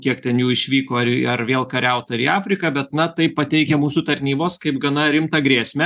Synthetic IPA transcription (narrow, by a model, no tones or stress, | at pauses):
kʲiɛkt̪ʲɛnjuːɪʃʲʋʲiːkoːɐɐrʋʲeːlˠkɐɾʲɛʊt̪ɐɐɾiːɑːfʲɾʲɪkɑbʲɛt̪nɐt̪ɐɪppɐt̪ʲɛɪkʲɛmuːsut̪ɐɾʲnʲiːboːskɐɪpɡɐnɐɾʲɪmt̪ɐɡɾʲeːsʲmʲɛ